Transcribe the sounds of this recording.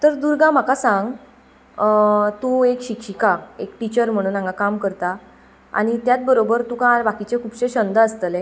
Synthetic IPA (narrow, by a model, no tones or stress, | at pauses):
t̪əɾd̪uɾɡãm̤akasãŋɡ | t̪uekɕikɕikaekʈit͡ɕəɾm̤əɽ̃uːnãŋɡakamkəɾt̪a | a̰ɽ̃it̪jat͡s̪̚bəɾobəɾt̪ukãbakit͡ɕekʰuːbɕeɕənd̪əəst̪əle